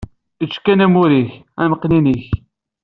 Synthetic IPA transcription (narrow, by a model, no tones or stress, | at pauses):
it͡ʃːkːænæmuɾiç | æməqːniniç